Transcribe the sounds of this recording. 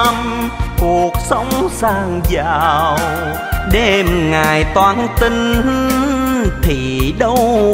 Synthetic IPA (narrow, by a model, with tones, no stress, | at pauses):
mku˨˩ək̚sə˧˦wŋ͡msaː˧˩ŋzaː˨˩w | ɗe˧mŋaː˨˩jt̪waː˧˩nt̪ï˧ŋ̟hɨ˧ | t̪ʰi˨˩ɗə˧w